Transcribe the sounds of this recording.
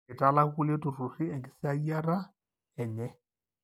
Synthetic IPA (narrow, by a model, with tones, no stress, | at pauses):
ɪ˨tʼa˦la˦ku˦le˦tu˨ru˨rɪ˦ɛ˨ŋkɪ˨sɪ˦a˦i˦a˦ra˦ | ɛ˨ɲɛ˦